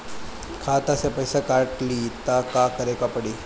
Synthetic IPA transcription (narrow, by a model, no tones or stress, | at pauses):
kʰat̪asapəjsakaɾʈliːt̪akakəɾekapəɽiː